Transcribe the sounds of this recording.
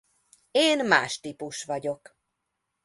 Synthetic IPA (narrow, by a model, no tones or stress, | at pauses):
eːnmaːʃt̪ipuʃʋɒɟo̞k